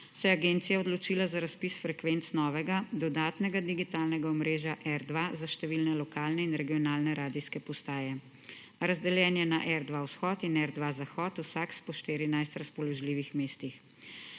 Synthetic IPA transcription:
sɛjɛaɡent̪sijaɔd̪lɔt͡ʃiːlazaɾaspisfɾɛkʋent̪snɔːʋɛɡad̪ɔd̪aːt̪nɛɡad̪iɡit̪alnɛɡaɔmɾeːʒjaʔɛɾd̪ʋazaʃt̪ɛʋilnɛlɔkaːlnɛinɾɛɡijɔnaːlnɛɾaːd̪iskɛpɔst̪aːjɛ | ɾazd̪ɛljɛːnjɛnaʔɛɾd̪ʋawsxɔːt̪inɛɾd̪ʋazaxɔt̪wsakspɔʃt̪iːɾinajst̪ɾaspɔlɔʒliːʋixmeːst̪ix

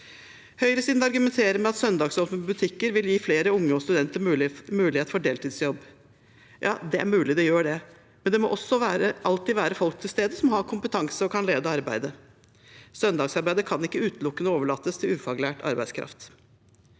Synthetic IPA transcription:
hœʏəɾəsiːd̪ɑɾɡʉmɛnt̪ʰeːɾəmɛɑt̪sœnd̪ɑːɡsɔːʋmbʉt̪ʰɪkːəɾʋɪljiːfleːɾəʊŋːəɔst̪ʉd̪ɛnt̪əɾmʉːlɪheːt̪əfɔɖeːlt̪ʰiːd̪sjɔbː | jʔɑ̰ːd̪ɛʔæ̰ɾmʉːlɪd̪ɛjøːɖɛ | mɛnd̪ɛmɔ̰ʔɔsːɔʋæːɾəʔɑlt̪iːʋæːɾəfɔlk̚t̪ʰɪlst̪eːd̪əsɔmhɑɾkʰʊmpət̪ʰɑŋsəɔkʰɑnleːd̪əɑɾbæ̰ɪd̪ə | sœnd̪ɑːɡsɑɾbæɪd̪əkʰɑnɪkːəʉːt̪lʊkːənəoːʋəɭɑːt̪ːəst̪ʰɪlʉːfɑɡlæːʈɑ̰ɾbæɪskʰɾɑ̰ft̪

